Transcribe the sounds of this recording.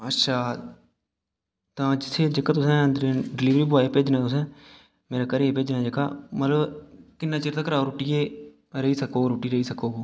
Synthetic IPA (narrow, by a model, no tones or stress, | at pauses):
ətːʃʰaː | t̪ãːd͡ʒɪt̪ʰːeːd͡ʒɪkːaːt̪ʊsɛ̃ːənd̪əɾẽːɖɪliːʋɾiːbaːepeːd͡ʒnaːt̪ʊs̬ɛ̃ː | meːɾaːkəɾeeːpeːd͡ʒnãːd͡ʒəkːa̰ːmət̪ləbkɪnːaːt͡ʃɪːɾt̪aːkəɾaːoɾuːʈɪːeː | ɾəiːsəkoːɾuːʈiːɾəiːsəkoː